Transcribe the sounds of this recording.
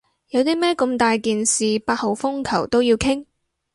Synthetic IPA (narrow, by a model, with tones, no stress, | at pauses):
jɐ˨˧wt̪iː˥mɛː˥kɵ˧mt̪aː˨jkiː˨nsiː˨paː˧t̚ho˨wfʊ˥ŋkʰɐ˨˩wt̪o˥wjiː˧wkʰɪ˥ŋ